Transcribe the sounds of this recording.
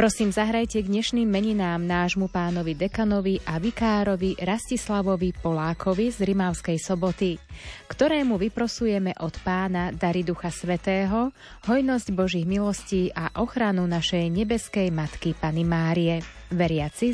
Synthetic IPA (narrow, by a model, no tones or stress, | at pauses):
pɾɔsiːmzaɦɾajcɛɡ̪ɲɛʃniːmːɛɲinaːmnaːʒmupaːnɔʋid̪ɛkanɔʋiʔaʋikaːɾɔʋiɾascislaʋɔʋipɔlaːkʰɔʋizɾimaʊskɛjsɔbɔt̪ikt̪ɔɾɛːmuʋipɾɔsujɛmɛʔɔt̪paːnad̪aɾid̪uxasʋɛt̪ɛːɦɔ | ɦɔjnɔzɟbɔʒiɣmilɔsciːʔaʔɔxɾanunaʃɛjɲɛbɛskɛjmat̪kipanimaːɾiɛ | ʋɛɾɪat͡si